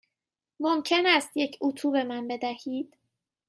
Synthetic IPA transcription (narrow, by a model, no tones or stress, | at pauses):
momcʰe̞næst̪je̞cʰut̪ʰuːbe̞mænbe̞d̪æhiːd̪̥